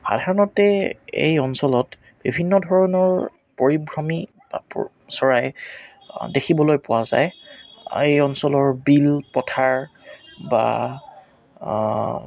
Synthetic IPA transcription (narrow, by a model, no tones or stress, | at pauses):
xa̰dʱaɹɔnɔtɛḛjɔnsɔlɔt | b̥ibʱinːɔdʱɔɹɔnɔɹ | poɹibɹɔmi | ba̰p | sɔɹaj | dekʰibɔlojpʊwaza̰j | ejɔnsɔlɔɹbilpɔtʰaɹba̰